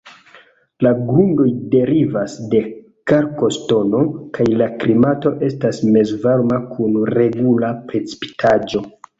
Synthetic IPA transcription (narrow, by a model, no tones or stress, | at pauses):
laɡɾundo̞jde̞ɾivasde̞ | kaɾko̞sto̞no̞kajlaklimato̞ʔe̞stasme̞zvaɾmakʰunɾe̞ɡulapɾe̞t͡si̥pi̥tʰad͡ʒo̞